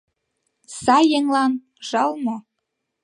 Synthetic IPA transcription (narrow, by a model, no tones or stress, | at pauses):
sɑjːeŋlɑn | ʒ̥ɑlmo